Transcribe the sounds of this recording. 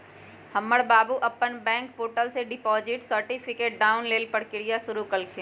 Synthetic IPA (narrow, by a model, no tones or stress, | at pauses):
hɐmːəɽbaːbuʔɐpːənbɛ̃ːŋk̚poːʈəlseɖɪpɔːzɪʈsəɾʈɪpʰɪkeːʈ̚ɖaːʊnleːlpəɽkɪɽɪjaʃʊɾukɐlkʰẽ